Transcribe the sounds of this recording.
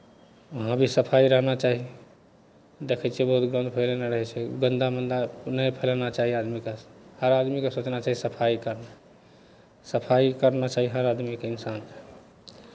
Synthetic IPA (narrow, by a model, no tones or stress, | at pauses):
əɦãbʱisəpʰaiɾəɦnat͡ʃaɦi | d̪ekʰət͡ʃʰebəɦut̪ɡɾə̃nd̪pʰəɪlenaɾəɦɛt͡ʃʰɛɡənd̪amənd̪anəjpʰəlnat͡ʃaɦiad̪mikehəɾad̪mikesot͡ʃnat͡ʃaɦisəpʰaikəɾna | səpʰaikəɾnat͡ʃaɦiɦəɾad̪mikeinsanke̥